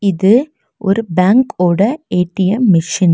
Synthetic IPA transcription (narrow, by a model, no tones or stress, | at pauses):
ɪðɯ | ʔɔ̰ɾɯbaːŋkoːɽɐeːʈːɪjɐmɪʂɪn